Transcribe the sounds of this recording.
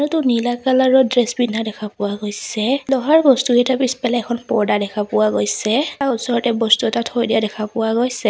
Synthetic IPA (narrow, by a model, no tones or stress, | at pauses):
nutʊnilakalaɹɔdɹɛsbinːadɛkʰapʊwaɡojsɛlɔɦaɹbɔstuhɛtʰapispɛlaɛkʰɔnpɔɹdadɛkʰapʊwaɡojsɛaʊsɔɹɔtɛbɔstuɛtatʰɔɹjdijadɛkʰapʊwaɡojsɛ